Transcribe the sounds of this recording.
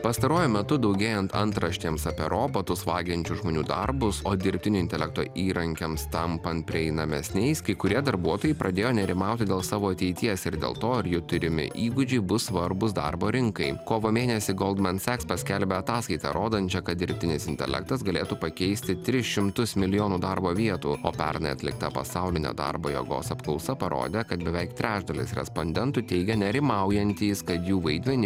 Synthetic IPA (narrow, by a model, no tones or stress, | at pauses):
pɐst̪ɐɾuɔjʊmʲɛt̪ʊd̪ɒʊɡʲeːjɛnt̪ɐ̰nt̪ɾɐʃʲt̪ʲeːmsɐpʲɛɾʔoːpɐt̪ʊsʋɑːɡʲɪnʲt͡ʃʲʊʒmoːnʲuːd̪ɐ̰ɾbʊsoːd̪ʲɪɾʲpʲt̪ʲɪnʲʊɪnʲt̪ʲɛlʲɛk̚t̪o̰ːʔiːɾɐŋʲkʲemst̪ɐmpɐnt̪̚pʲɾʲɪɛɪnɐmʲɛsʲnʲɛɪskɐɪkʊɾʲiɛd̪ɐɾbuɔt̪oːjɛɪpɾʔɐd̪ʲeːjoːnʲɛɾʲɪmɑˑʊt̪ʲɪd̪ʲeːlˠsɑːʋoːɐt̪ʲɛɪt̪ʲiɛsɪɾd̪ʲḛːlˠt̪oːɐɾjɪt̪ʊɾʲɪmʲɪ̰ʔiːɡʊd͡ʒʲɛɪbʊssʋɐɾbʊsd̪ɐ̰ɾboːɾʲɪŋkɐɪkoːʋoːmʲeːnʲɛsʲɪɡɔːlˠd̪mɐnt̪sʲækspɐsʲkʲɛlʲbʲeɐt̪ɑːskɐɪt̪ɑ̰ɾʔoːd̪ɐnʲt͡ʃʲɛkɐt̪̚d̪ʲɪɾʲpʲt̪ʲɪnʲɪsɪnʲt̪ʲɛ̰lʲɛ̰k̚t̪ɐsɡɐlʲḛːt̪uːpɐkʲɛɪsʲt̪ʲɪt̪ʲɾʲɪʃʲɪmt̪ʊsmʲɪlʲɪjoːnuːd̪ɑɾboːʋʲiɛt̪uːo̰ːpʲæ̰ɾnɐɪɐ̰t̪ʲlʲɪ̰kt̪ɐpɐ̰sɑʊlʲɪnʲɛ̰d̪ɑ̰ɾboːjɛ̰ɡo̰ːsɐpklˠɔʊsɐpɐɾʔo̰ːd̪ʲekɐt̪bʲɛʋʲɛɪkt̪ʲɾʲæːʒd̪ɐlʲɪ̰sɾʲɛ̰sponʲd̪ʲɛnt̪ut̪ʲɛɪɡʲɛnʲɛɾʲɪmɑʊjɛnʲt̪ʲiːskɐt̪juːʋɐɪd̪ʲmʲɛnʲi